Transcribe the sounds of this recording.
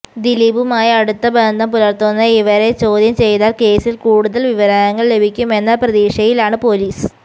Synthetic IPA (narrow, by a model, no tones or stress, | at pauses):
d̪ilibumaːjiɐɽut̪ːɐbend̪ʱɐmpulɐrt̪ːunːɐiʋɐɾe̞t͡ɕo̞ːd̪ʱjɐmt͡ɕe̞jt̪aːlke̞ːsilkuːɽuðɐlʋiʋɐɾaːnɐŋːɐɭle̞bʱikʲːume̞nːɐprɐðiːʂɐjilaːɳɨpo̞liːs